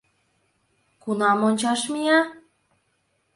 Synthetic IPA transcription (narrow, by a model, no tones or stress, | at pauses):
kunɑmonʲt͡ɕɑʃmijɑ